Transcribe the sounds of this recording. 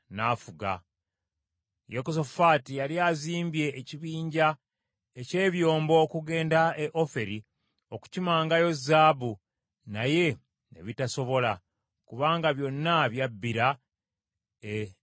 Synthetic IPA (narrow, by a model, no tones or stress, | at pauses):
naːfuɡa̰ | jekosofaːtijaliaziːmbje̞ʔːciβiːɲɟa | ece̞ːβjo̞ːmbo̞ːkuɡe̞ːndaeʔo̞fe̞ɾi | o̞ku̥cimaːŋɡajo̞zːaːbu | naje̞ | ḛβitaso̞βo̞la | kuβaːŋɡaβjo̞nːaβjabːiɾa | e